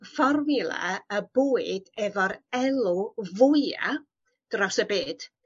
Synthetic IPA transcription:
fɔrvɪlˠa̰əboːɨd̥ɛvɔɾɛlˠuvʊja̰ | d̥rɔsəbeːd̥

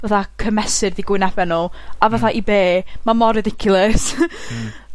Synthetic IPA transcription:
vaθakʰəmɛsɨrðiɡwɪnɛbɛnɔlˠavaθaʔibeːmamɔɾɪdɪkʰʊlˠəs

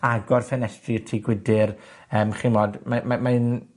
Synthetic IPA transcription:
aɡɔrfɛnɛstrirtʰiɡwɪdɪrəːmχinmɔːdmamamaɨn

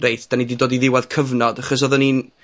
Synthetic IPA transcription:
rejθd̥anididoːdiðɪwað̥kʰəvnɔd̥aχɔs̬ɔðənin

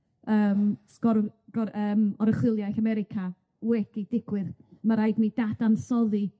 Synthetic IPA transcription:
əːmsɡ̥ɔɾɡ̥ɔɾəːmɔɾəχwɪlˠjajθamɛɾɪkʰa | wɛkid̥ɪɡ̥wɨðmaɾajɡnid̥ad̥ansɔði

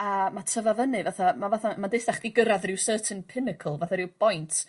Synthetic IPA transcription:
amatʰəvavənɨvaθamavaθamadɪsaχd̥iɡəɾaðrɪwsəːtʰənpʰɪnɪkʰəlˠvaθaɾɪwb̥ɔjntʰ

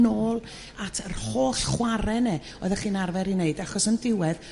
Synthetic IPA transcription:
noːlˠ | atʰərhoːɬχwaɾɛnɛ | ɔːðəχiːnarvɛɾineɨdaχɔsəndɪwɛð

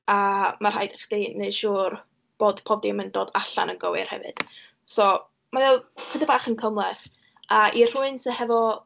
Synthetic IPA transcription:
amar̥ajdaχd̥ineɨʃuːr | b̥oːdpʰɔdɪməndoːdaɬa̰nənɡəwɪ̰r̥hɛ̰vɨ̰d̥ | sɔ | maðɛlˠkʰədəbaːχənkʰəmlˠɛθ | aʔir̥ʊɨnsəɦɛvɔ

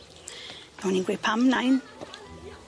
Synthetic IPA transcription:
nawninɡwɪpʰamnajn

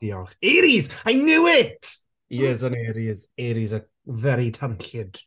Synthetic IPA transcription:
iɔχeːɾizajnɪwɪtʰ | jɛzəneːɾizeːɾizə | vɛɾitʰanɬɪd̥

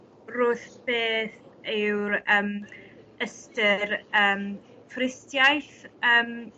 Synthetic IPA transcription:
rʊːθb̥eːθɪwɾəːm | əstəɾəːm | frɪstjajθəːm

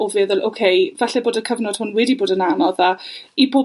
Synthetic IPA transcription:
ɔvɛːðʊlˠʔowkʰejvɛɬɛboːdəkʰəvnɔd̥hʊnwɛdiboːdənanɔðaiboː

